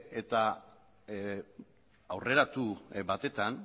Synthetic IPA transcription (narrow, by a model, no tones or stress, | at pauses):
e̞t̪a | awre̞ɾat̪ubat̪e̞t̪an